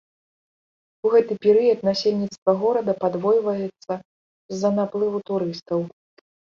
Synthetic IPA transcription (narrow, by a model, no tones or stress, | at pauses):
uɣɛt̪ɨpʲɛɾɨjɐt̪nasʲelʲnʲit̪st̪vɐɣɔɾɐd̪ɐpad̪vɔjvɐjɛt̪sːɐ | zːɐnaplˠɨvut̪uɾɨst̪ɐw